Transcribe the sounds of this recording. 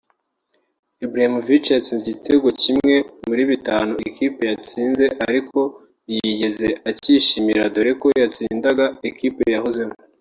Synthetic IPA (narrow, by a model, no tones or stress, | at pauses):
ebɾahimuvit͡ʃejat͡siːnzeɟitʰe̞ɡocimŋe̞muɾiβitaːnoʔekipe̞jat͡siːnze̞ʔaɾikʰo̞ | jiɟe̞zeaciːʃimiɾadoɾeko̞jat͡siːndaɡaekiːpejaɦozemo